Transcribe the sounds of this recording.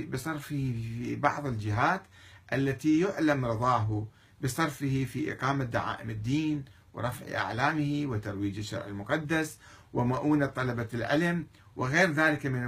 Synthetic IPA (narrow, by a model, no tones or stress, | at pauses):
bɨsˤɑɾˤfɪhifibɑʕðˤɪld͡ʒɪɦaːt̪ | ʔalːat̪ijʊʕlamɾɨðˤɑːɦʊ | bɨsˤɑɾˤfɪhifiːʔɪ̰qɑːmad̪a̰ʕa̰ːʔɪmɪd̪ːiːn | wɪ̰ɾˤɑfʕ̰ʔa̰ʕlaːmɪhiwɪt̪ɑɾˤwiːd͡ʒɪʃːɑ̰ɾˤʕɪlmʊqɑd̪ːas | wɪmaʔuːnat̪ˤːɑlɑbalʕɪ̰lam | wɪɣeːɾðaːlɪkamɪna